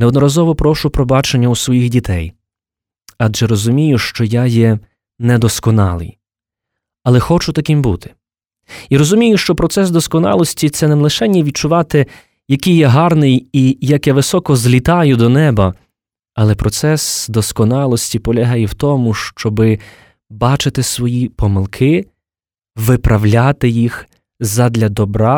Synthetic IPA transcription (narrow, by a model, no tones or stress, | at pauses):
neɔd̪nɔɾɐzɔʋɔpɾɔʃʊpɾɔbɑt͡ʃenʲːɐusʋɔjixdʲit̪ʰɛ̰j | ɑdʒɛɾɔzʊmʲijʊʃt͡ʃɔjajɛ | nɛd̪ɔskɔnɑ̰lˠɪ̰j | ɐlˠɛxɔt͡ʃʊt̪ɐkɪmbut̪ɪ̥ | iɾɔzʊmʲijʊʃt͡ʃɔpɾɔt̪sɛsd̪ɔskɔnɑ̰lˠɔsʲtʲit̪sɛnelˠɪʃɛnʲːiʋʲid̪̚t͡ʃʊʋɑt̪ɪ | jɐkijːɛɦɑrnɪjijɐkjɐʋɪsɔkɔzlʲit̪ɑjʊd̪ɔnɛbɐ | ɐlˠɛpɾɔt̪sɛsd̪ɔskɔnɑlˠɔsʲtʲipɔlʲɐɦajɛwt̪ɔmʊʃt͡ʃɔbɪ | bɑt͡ʃɪt̪ɪsʋɔjipɔmɪlˠkʰɪ | ʋɪpɾʔɐwlʲat̪ɪjix | zɐd̪lʲɐd̪ɔbɾɑ